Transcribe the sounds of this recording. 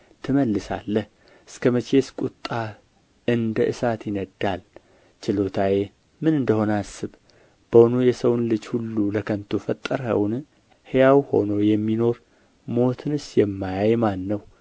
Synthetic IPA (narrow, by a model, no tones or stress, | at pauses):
t̪ʰɨməlːɨsa̰lːəh | ʔɨskʰəmət͡ʃʰe̞skʼut̪ʼːa | ɨnd̪əʔɨsat̪jɪnəd̪ːal | t͡ʃɪlo̞t̪ʰaje | mɨnɨnd̪əho̞nasːɨβ | b̥əwnujɛsəwnlɨd͡ʒhulːuləkʰənt̪ʰufət̪ʼːəɾhə̰wn | hejawho̞no̞jɛmːino̞ɾ | mo̞t̪ʰɨnɨsjɛmːajajmanːəw